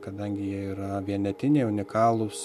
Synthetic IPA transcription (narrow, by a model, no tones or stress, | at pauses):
kɐd̪ɐŋʲɡʲɪjiɛiːɾɐʋʲiɛnʲɛt̪ʲɪnʲeːʊnʲɪkɑːlˠʊs